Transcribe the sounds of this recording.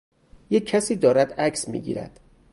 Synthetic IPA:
jecʰːæsiːd̪ɒːɾæd̪æcʰsmḭːɡḭːɾæ̰d̪̥

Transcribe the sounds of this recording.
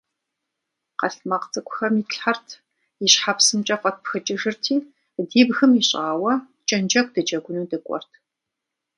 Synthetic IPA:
qɐɬmɐqt͡sʼɨkʷʼʊxɐmitɬħartʰ | jɪʃħapsɨmt͡ʃʼɐqʷʼɐt̚pxɨt͡ʃʼɪʒɨrtʰiː | diːbxɨmiɕʼaːwɐ | t͡ʃʼɐnd͡ʒɐk̚ʷʰʼd̥ɨd͡ʒɐɡʷʊnuːdɨkʷʼɔ̰rtʰ

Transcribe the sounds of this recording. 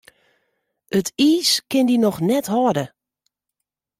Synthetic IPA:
ətʰiːskɪndinɔxnɛthɔdə

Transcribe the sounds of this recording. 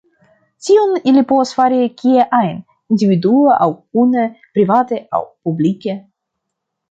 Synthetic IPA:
tʲionilʲipovasfaɾikʲieʔajn | ind̪ʲivid̪uaʔawunepɾivat̪ea̰wpublikʲe

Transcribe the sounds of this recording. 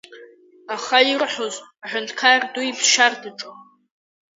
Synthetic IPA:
aχairħozʼaħʷʊntʰkʰarduibʃardɨʈ͡ʂʼo

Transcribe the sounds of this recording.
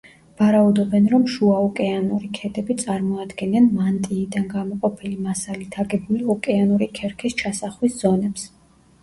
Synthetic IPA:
vaɾaud̪ɔbɛnɾɔmʃuaɔkʼɛanuɾikʰɛd̪ɛbit̪sʼaɾmɔad̪ɡɛnɛnmant̪ʼiːd̪anɡamɔqʼɔpʰilimasalit̪ʰaɡɛbuliɔkʼɛanuɾikʰɛɾkʰist͡ʃʰasaχwisz̥ɔnɛps

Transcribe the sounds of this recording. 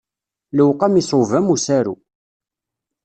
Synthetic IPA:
ləwqɑmisˤʊvæmusæɾṵ

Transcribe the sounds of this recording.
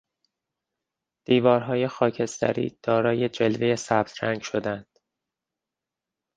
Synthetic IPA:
d̪̥iːvɒːɾɦɒːje̞xɒːcʰe̞st̪ʰæ̰ɾḭːd̪̥ɒːɾɒːje̞d͡ʒe̞lvejesæb̥̚t̪ʰɾæŋɡʃo̞d̪ænd̪̥

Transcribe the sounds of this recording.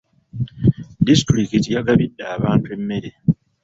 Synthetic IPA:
distɾikitijaɡaβidːaːβaːntue̞mːe̞ɾe

